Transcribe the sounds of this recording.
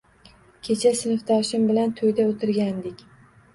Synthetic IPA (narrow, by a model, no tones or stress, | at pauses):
kʲʰet͡ʃʰasɪnɪft̪ʰɒʃɪmbɪlant̪ʰojd̪aot̪ʰɪɾɡʲand̪ɪkʲ